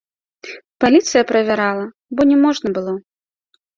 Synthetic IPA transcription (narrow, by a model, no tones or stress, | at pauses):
palʲit̪sɨjɐpɾɐvʲaɾalˠɐ | bɔnʲɛmɔʐnɐbɨlˠɔ